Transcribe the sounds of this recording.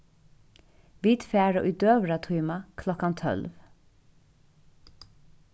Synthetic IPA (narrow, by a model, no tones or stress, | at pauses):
ʋiːd̪fæːɹə̰ʔʉd̪øːʋɹat̪ʰʉːmakʰlɔkant̪ʰœ̰lʋ